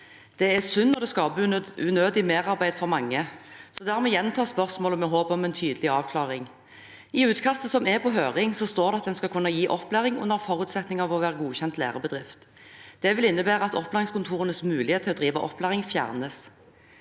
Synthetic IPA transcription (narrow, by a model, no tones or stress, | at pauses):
d̪̥ɛæsʉnːɔʁd̪ɛskɑbʉnøːd̪ɪmeːʁɑʁbæɪd̪fɔʁmɑŋːəsɔd̪æːʁmɛːjɛnt̪ʰɑːspœʁsmoːlɔmɛɦoːpɔmɛnt̪ʰyːd̪əlɪɑːʋkʰlɑːʁɪŋ | ɪʉːt̪kʰɑst̪əsɔmɛpʰɔɦøːʁɪŋsɔst̪oːʁd̪ɛɑt̪̚d̪ɛnskɑlkʰʉnːɑjiːʔɔpːlæːʁɪŋʊ̰nːəʁfɔɾʉːt̪sɛt̪nɪŋɑʋɔʋæːʁəɡuːçɛnt̪læ̰ːʁəbəd̪ʁɪft̪ | d̪̥ɛʋɪlɪnːəbæːʁəɑt̪ɔplæːʁɪŋskʰʊnt̪ʰuːʁənəsmʉːlɪeːt̪ʰːɪlɔːd̪ʁiːʋɑʔɔ̰pːlæːʁɪŋfjæ̰ːʁnəs